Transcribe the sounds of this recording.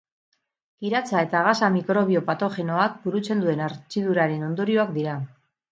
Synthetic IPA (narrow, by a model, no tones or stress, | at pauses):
kiɾat͡sae̞t̪aɣasamikɾo̞βio̞pat̪o̞xe̞no̞ak̚buɾut͡se̞nd̪ue̞naɾt͡ʃiðuɾaɾe̞no̞nd̪o̞ɾio̞ak̚d̪iɾa